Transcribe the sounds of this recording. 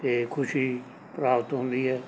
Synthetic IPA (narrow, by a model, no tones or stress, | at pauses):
t̪eːkʰʊʃiː | pɾaːʋət̪ɦõːnd̪iːɛː